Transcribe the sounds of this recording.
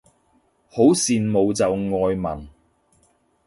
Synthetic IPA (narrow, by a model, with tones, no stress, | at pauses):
ho˨˥wsiː˨nmo˨˧wt͡sɐ˨wŋɔː˧jmɐ˨˩n